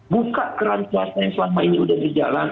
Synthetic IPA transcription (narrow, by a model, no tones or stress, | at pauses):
bukaʔkəɾankuasajaŋslamainiudahbərd͡ʒalan